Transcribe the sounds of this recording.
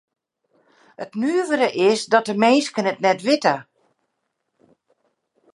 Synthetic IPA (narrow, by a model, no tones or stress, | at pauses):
ətnyəʋəɾəʔɪsdɔt̚dəmeːskənətnɛtʋɪtə